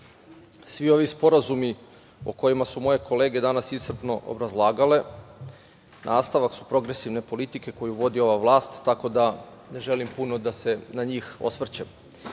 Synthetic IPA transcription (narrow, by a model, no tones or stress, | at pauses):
sʋio̞ʋispo̞ɾazumi | oko̞jimasumo̞je̞kʰo̞le̞ːɡe̞d̪anasisr̩pno̞ʔo̰bɾazlˠaːɡale̞ | nʔaːst̪aʋaksu̥pɾo̞ɡɾe̞siʋne̞po̞lit̪ike̞ko̞juʋo̞d̪io̞ʋaʋlˠaːst̪ːako̞d̪a | ne̞ʒe̞limpuno̞d̪ase̞naɲiːxo̞̰sʋr̩t͡ɕem